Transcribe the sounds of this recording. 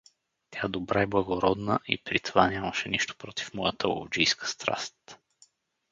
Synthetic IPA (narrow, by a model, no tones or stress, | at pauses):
t̪ʲjad̪obɾaɛblˠəɡoɾɔd̪nəʔḭpɾit̪ovanʲaməʃɛniʃt̪o̥pɾot̪i̥fmɔjət̪əo̰ld͡ʒijskə̥st̪ɾa̰st̪